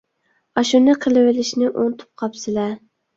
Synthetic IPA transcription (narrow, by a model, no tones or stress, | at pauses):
ɒʃunɪqʰɨlˠɪwɪlɪʃnɪʔont̪ʰʊ̥p̚qʰɑpsɪla